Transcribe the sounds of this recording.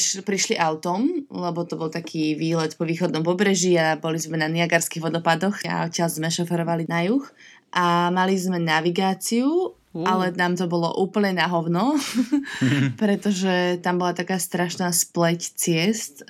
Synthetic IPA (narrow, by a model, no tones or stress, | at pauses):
ʃpɾiʃliʔaʊt̪ɔmlɛbɔt̪ɔbɔlˠt̪akʰiːʋiːlɛt̪pɔʋiːxɔd̪nɔmpɔbɾɛʒiabɔlizmɛnaniaɡaɾskiːɣʋɔd̪ɔpad̪ɔxa̰ɔc̪ʲɪalzmɛʃɔfɛɾɔʋalinajux | ʔamalizmɛnaʋiɡaːt͡siu | ʔalɛnaːmt̪ɔbɔlɔ̰ʔuːpl̩ɲɛnaɦɔʊnɔ | pɾɛt̪ɔʒɛt̪ambɔlat̪akaːst̪ɾaʃnaːsplɛct͡sɪɛst̪